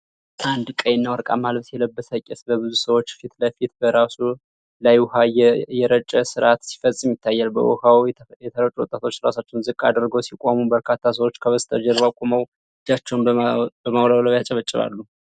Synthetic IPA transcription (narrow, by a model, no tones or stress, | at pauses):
ʔand̪kʼəjɛnːawɔɾkʼa̰malbsjɛləbːəsakʼɛsbəβɨzusəwot͡ʃːfit̪ləfit̪bəɾasu | lajwʊhajɛjɛɾət͡ʃʼəsɨɾat̪si̥fəsʼɨmjɪt̪ʰːajːalbə̰ʔɔ̰hawjɛt̪ʰəɾət͡ʃʼuwɔ̰t̪ʼat̪ʰo̞t͡ʃːɾasat͡ʃːɛwnzɨkʼːa̰d̪əɾɡəwsikʼomubəɾkʰat̪ʰːas̬əwot͡ʃːkʰəβəst̪ʰəd͡ʒɛɾβakʼoməw | ɨd͡ʒat͡ʃːɛwnbəmawlawlaβjat͡ʃʼɛβət͡ʃʼːɪβa̰lːu